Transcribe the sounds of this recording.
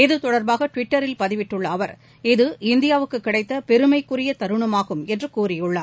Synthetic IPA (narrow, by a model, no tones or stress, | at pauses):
ɪðɯt̪ɔɽɐɾbaːɣɐʈʋɪʈːɐɾɪlpɐðɪʋɪʈːɯɭːɐːʋɐɾ | ɪðɯʔɪnd̪ɪjaːʋɯkːɯkːɪɽɐɪt̪ːɐpɛɾɯmɐɪkːɯɾɪjɐt̪ɐɾɯɳɐmaːɣɯmɛndrɯkuːrɪjɯɭːaːɾ